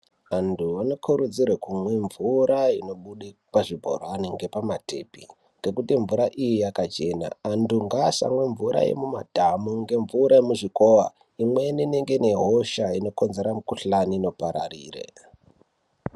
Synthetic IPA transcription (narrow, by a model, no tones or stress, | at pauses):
ʋantʰuʋano̞kʰuɾud͡zirwekumweɱvuɾaino̞ɓuɗipaʐibʱo̰rwaniŋɡe̞pamate̞pḭ | ŋɡe̞kutiɱvuɾaʔijijakat͡ʃe̞na̰ːntuŋɡasa̰mwe̞ɱvuɾa̰jḛmuma̰dʱamuŋɡe̞ɱvuɾaemuʐiko̞wa | imwenineŋɡe̞neɦoʃaino̞ko̞nzeɾamukuɬanino̞paɾa̰rḭːrḛ